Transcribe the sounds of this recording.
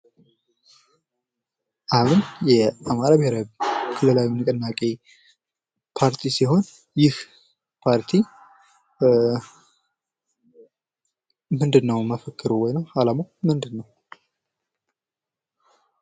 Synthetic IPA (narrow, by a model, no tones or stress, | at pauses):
ʔaβɨnjɛʔamaɾabɪheɾakʰɨlːɨlawimnɨkʼənːakʼe | pʰaɾt̪ʰisiɦo̞n | jɪh | pʰaɾt̪ʰi | mɨnd̪ɨnːəwməfəkʰːɨɾuwɔjnəwhalamowmɨnd̪ɨnːəw